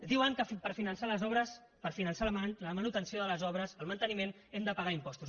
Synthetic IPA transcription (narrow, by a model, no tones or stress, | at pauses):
d̪iwəŋkəpəɾfinənsaləzɔβɾəs | pəɾfinənsaləmənut̪ənsioðələzɔβɾəzəlˠmənt̪ənimen | emd̪əpəɣaimpɔst̪u